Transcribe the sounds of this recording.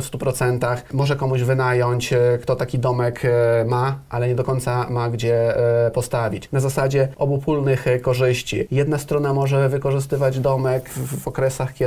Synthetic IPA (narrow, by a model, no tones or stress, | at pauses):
fst̪upɾɔt̪sɛnt̪axmɔʐɛkɔmuʑvɘnajɔɲt͡ɕkt̪ɔt̪akʲid̪ɔmɛkmaʔalɛɲɛd̪ɔkɔɲt̪samaɡd͡ʑɛpɔst̪avʲit͡ɕnazasad͡ʑɛʔɔbupulnɘxkɔʐɘɕt͡ɕḭjɛd̪nast̪ɾɔnamɔʐɛvɘkɔʐɘst̪ɘvad͡ʑd̪ɔmɛkvɔkɾɛsaxkʲɛ